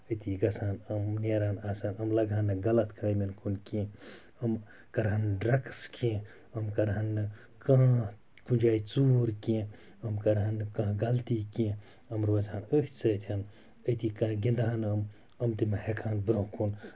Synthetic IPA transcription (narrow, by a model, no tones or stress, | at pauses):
ət̪iɡɐsaːnɐmneɾaːnaːsaːnɐmlɐɡaːnːɨɡɐlɐt̪kɐɾɐjminkʰunkĩ | ɐm | kɐɾɦanɖɾɐkskĩ | ɐmkɐɾɦɐnːɨ | kɐ̃ɦ | kũd͡ʒaːjt͡suɾkĩ | ɐmkɐɾɦɐnːɨkɐ̃ɦɡɐlt̪ikĩ | ɐmɾozaːnəɦt͡sɐt̪ʰɐn | əjt̪ikɐɡĩnd̪ɦanɐm | ɐmt̪imeɦekʰaːnbɾõkun